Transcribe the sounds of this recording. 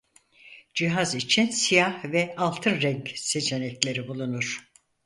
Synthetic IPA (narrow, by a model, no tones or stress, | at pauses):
d͡ʒiɦazit͡ʃʰinsijahvɛalˠt̪ʰɯnɾɛɲcse̞t͡ʃʰe̞nɛclʲe̞ɾibulˠunuɾ̥